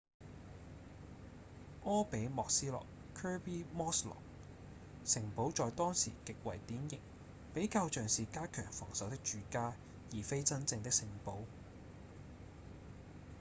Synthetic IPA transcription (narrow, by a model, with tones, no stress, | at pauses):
ʔɔː˥pe˨˥jmɔː˨k̚siː˥lɔ̰ː˨k | kʰœː˥piː˥mɔː˥slɔ̰ː˨˩k̚ | sɪ˨˩ŋpo˨˥wt͡sɔː˨jt̪ɔː˥ŋsḭː˨˩kɪ˨k̚wɐ̰˨˩jt̪iː˨˥njɪ˨˩ŋ̚ | pe˨˥jkaː˧wt͡ʃœː˨ŋsiː˨kaː˥kʰœː˨˩ŋfɔ̰ː˨˩ŋsɐ˨˥wt̪ɪ˥k̚t͡ʃyː˨kaː˥ | jiː˨˩fe˥jt͡sɐ˥nt͡sɪ˧ŋt̪ɪ˥k̚sɪ˨˩ŋpo˨˥w